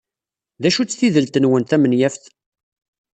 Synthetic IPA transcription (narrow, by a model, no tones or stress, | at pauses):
ðæʃut͡sːθiðəlt̪ənwənt̪æmənjæfθ